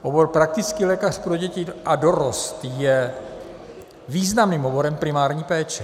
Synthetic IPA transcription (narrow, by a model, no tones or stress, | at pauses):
ʔobo̞ɾpɾak̚t̪ɪt͡skiːlɛːkar̝pɾoɟɛcɪʔado̞ɾost̪jɛ | viːznamniːmɦobo̞ɾɛmpɾɪmaːɾɲiːpɛːt͡ʃɛ